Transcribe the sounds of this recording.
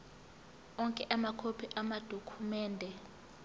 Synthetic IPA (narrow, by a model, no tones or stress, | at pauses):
ɔŋkʼɛʔamakʰopʰiʔamad̥ʱokʰumɛːndʱɛ